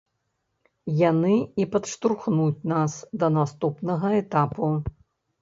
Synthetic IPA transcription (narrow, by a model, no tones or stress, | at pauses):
janɨipɐt̪ʂt̪urxnut͡sʲnasd̪ɐnast̪upnɐɣɐɛt̪apu